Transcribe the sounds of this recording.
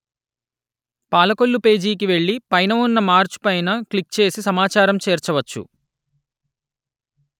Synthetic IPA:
paːlɐko̞ɭːupe̞ːd͡ʒiːk̬iʋe̞ɭːipɐjnɐunːɐmaːɾt͡ʃu̥pɐjnɐkɭikt͡ʃe̞ːsisɐmaːt͡ʃaːɾɐmt͡ʃeːɾt͡ʃɐʋɐt͡ʃːṵ

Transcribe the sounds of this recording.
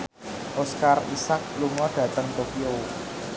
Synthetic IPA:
ʔoskarisak̚luŋɔɖ̥ä̤t̪əŋt̪okiow

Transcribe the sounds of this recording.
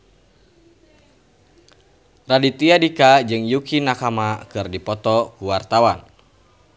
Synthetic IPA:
radit̪iadikad͡ʒɨŋjukinakamakɨrdipɔt̪ɔkuwart̪awan

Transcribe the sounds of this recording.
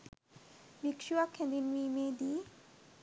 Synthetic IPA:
bikʃuakʰẽnd̪inmimed̪i

